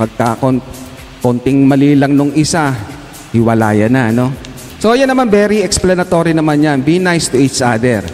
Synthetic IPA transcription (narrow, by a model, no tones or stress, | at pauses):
paɡ̚kɐkon | kont̪ɪŋmɐliːlɐŋnʊŋʔɪsa | hɪwɐla̰ːjɐnaɐno̞ | so̞janːɐmanbɛɾiɛksplɐnɐt̪o̞ːɾinɐmanjanbinajst̪ʊʔit͡ʃʔad̪ɛɾ